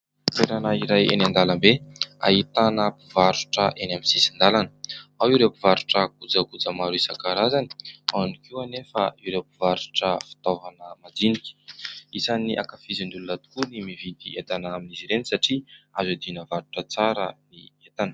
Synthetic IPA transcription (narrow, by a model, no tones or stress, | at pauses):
t̪eɾanaiɾajḛnand̪alambea̰ɦit̪anəpivaɾuʈ͡ʂəʔenaminsisind̪alanə̥awiɾepivaɾuʈ͡ʂəkud͡zəkud͡zəmaɾuisakaɾazani̥anikiuanefəiɾepivaɾuʈ͡ʂəfi̥t̪ovanəmad̪iniki̥isaniʔa̰kafizinɖ͡ʐ̪ulunat̪u̥kunimivid̪iet̪anaaminiziɾenisaʈ͡ʂiazad̪inəvaɾuʈ͡ʂət͡saɾəniet̪anə̥